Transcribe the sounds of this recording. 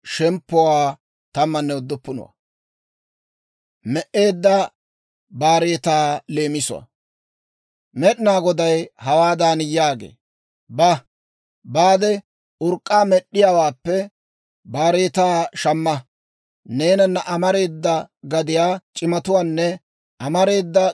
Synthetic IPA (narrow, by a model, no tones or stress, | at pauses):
ʃɛmpːɔwaː | t̪ɐmːɐnːɛʊd̪ːʊpːʊnɔ̰wɐ̰ | mɛʔe̞ːd̪ːɐ | baːɾe̞ːt̪aːle̞ːmɪsʊ̰wa̰ | mɛɗɪnaːɡɔd̪ɐjhɐwaːd̪aːnɪjaːɡḛː | bɐ | baːd̪ɛ | ʊɾkʼːaːmɛɗːɪjawaːpːɛ | baːɾe̞ːt̪aːʃɐmːɐ | ne̞ːnɐnːɐʔɐmɐɾe̞ːd̪ːɐɡɐd̪ɪjaːt͡ʃʼɪmɐt̪ʊwaːnːɛ | ʔɐmɐɾe̞ːd̪ːɐ